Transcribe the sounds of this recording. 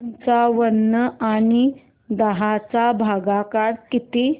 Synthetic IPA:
nt͡saʋənːəaɽ̃i | d̪əɦat͡sabʱaɡakaɽkit̪e

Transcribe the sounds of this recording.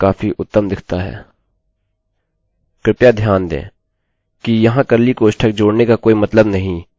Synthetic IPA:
kaːfiʔʊt̪ːəmd̪ɪkʰt̪aɦɛ̰ː | kɾɪpjad̪ʱjaːnd̪ḛ̃ː | kijɐɦãkɐɾlikoːʃʈʰək̚d͡ʒoːɽnekakoːimɐt̪ləbnɐɦĩ

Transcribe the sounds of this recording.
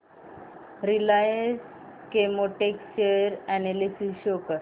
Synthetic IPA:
ɾilajəs | kemoʈekt͡ɕəɾɛnelisiɕokəɾ

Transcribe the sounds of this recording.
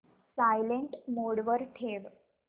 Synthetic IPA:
sajleɳʈmoːɽʋəɾʈʰeːʋ

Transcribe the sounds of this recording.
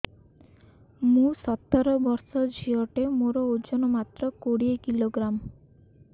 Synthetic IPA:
mũsɔt̪ːɔɾɔbɔɾsɔd͡ʒʱiɔʈemoɾɔod͡ʒɔnɔmat̪ɾɔkoɽiekiloɡɾam

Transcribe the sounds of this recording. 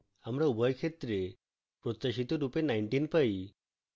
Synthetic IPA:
amɾaubʱɔjkʰet̪ɾe | pɾot̪ːaɕit̪ɔɾupenajɳʈinpai

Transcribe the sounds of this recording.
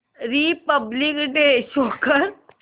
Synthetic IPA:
ɾipəblikɖeːʃoːkəɾ

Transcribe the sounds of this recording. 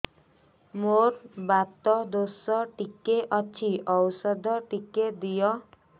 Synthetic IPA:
moɾbat̪ɔd̪osɔʈikeʔɔt͡ʃʰiʔɔwsɔd̪ʱɔʈiked̪ijɔ

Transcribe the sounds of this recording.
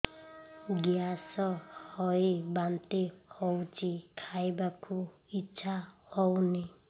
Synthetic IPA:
ɡjasɔhɔjbant̪ehɔwt͡ʃʰikʰajbakʰu | it͡ʃʰahɔwni

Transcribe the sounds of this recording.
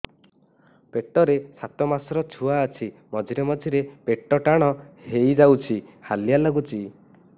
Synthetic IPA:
peʈɔɾesat̪ɔmasɔɾɔt͡ʃʰuaːt͡ʃʰimɔd͡ʒʱiɾemɔd͡ʒʱiɾepeʈɔʈaɽ̃ɔhejd͡ʒawt͡ʃʰihalijalɔɡut͡ʃʰi

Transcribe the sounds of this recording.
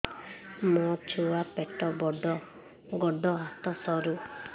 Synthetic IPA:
mɔt͡ʃʰuwapeʈɔbɔɖɔ | ɡɔɖɔɦat̪ɔsɔɾu

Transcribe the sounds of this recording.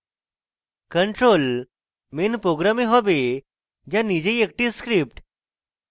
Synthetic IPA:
kəɳʈɾol | menpɾoɡɾamiɦɔbe | d͡ʑjanid͡ʑeek̚ʈiskɾip̚ʈ

